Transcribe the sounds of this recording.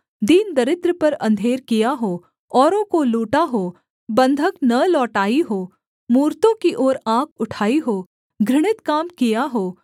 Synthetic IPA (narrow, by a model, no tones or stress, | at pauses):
d̪iːnd̪ɐɾɪt̪ɾəpɐɾɐ̃nd̪ʱeːɾkijaɦoː | ɔːɾõkoluːʈaɦoː | bɐ̃nd̪ʱəknɐlɔːʈaːiɦoː | muːɾt̪õkiʔɔːɾãːkʰʊʈʰaːiɦoː | ɡʱɾɪɽ̃ɪt̪kaːmkijaɦoː